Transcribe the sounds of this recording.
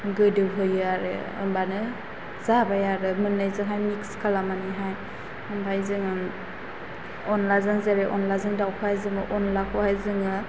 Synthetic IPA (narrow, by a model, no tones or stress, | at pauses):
ɡɯdɯwɦɯjɯaɾɯ̰ | ɯ̰mbanɯ | z̥abajaɾɯmɯnːajzɯŋɦajmikskʰalamaniɦaj | ɯmbʰʱajzɯŋɯ | ɔnlazɯŋzeɾeʔɔnlazɯŋdawkʰohajzɯŋɯʔɔnlakʰɯhajzɯŋɯ